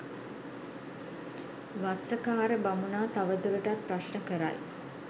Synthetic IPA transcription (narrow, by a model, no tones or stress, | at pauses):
ʋasəkaːɾəbamunaːt̪aʋəd̪uɾəʈapɾaʃnəkəɾa̰j